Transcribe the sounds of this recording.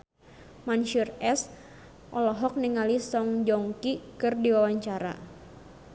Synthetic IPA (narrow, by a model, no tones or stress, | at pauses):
manʃurɛs | ʔɔlɔɦɔk̚niɛŋalisɔŋd͡ʒɔŋkikɨrdiwawaɲt͡ʃaɾa̰